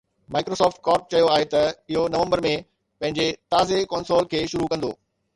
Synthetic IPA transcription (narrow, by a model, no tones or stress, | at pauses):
maːɪkɾoːsɔːfʈ̚kɔːɾʈ̚t͡ɕɐjoaːɦet̪ɐɪɦonɐʋə̃mbəɾmẽ | pɐ̃ɦɪ̃ɲd͡ʑet̪aːzekɔːnsoːlkʰeːʃʊɾukɐ̃nd̪o̰ː